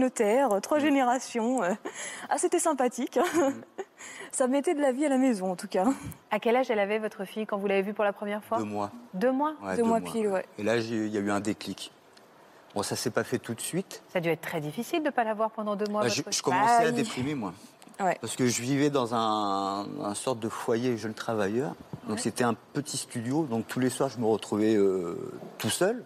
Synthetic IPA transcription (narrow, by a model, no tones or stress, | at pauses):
ynot̪ɛʁøt̪χwaʒeneʁasjɔ̃øa̰set̪ɛsɛ̃pat̪ik | samet̪ɛd̪əlavialamezɔ̃ɑ̃t̪ukaakʲɛlaʒɛlavɛvɔt̪χəfijkɑ̃vulavevypuʁlapχəmjɛʁfwaømwad̪ømwawɛd̪ømwapiwɛelaʒeiljayɛ̃d̪eklik | bɔ̃sasɛpafɛt̪ut̪sɥit̪sad̪yɛt̪χt̪χɛd̪ifisild̪əpalavwaʁpɑ̃d̪ɑ̃d̪ømwaavʒəʒ̥ə̥kɔmɑ̃sɛad̪epχimemwa | wɛpaʁsə̥kəʒəvivɛd̪ɑ̃zɛ̃ | ɛ̃sɔʁt̪̚d̪əfwajeʒənt̪χavajœːʁd̪ɔ̃kset̪ɛɛ̃pət̪ʰist̪yd̪jod̪ɔ̃k̚t̪ʰuleswaʁʒəməʁət̪χuvɛøt̪usœl